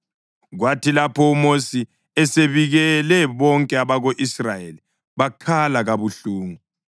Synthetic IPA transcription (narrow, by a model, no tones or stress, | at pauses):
ɣwatʰilapʰɔumosi | ɛseβiɣɛlɛβɔŋkʼɛaβaɣoʔisrajeli | βakʰalaɣaβuɬuːŋu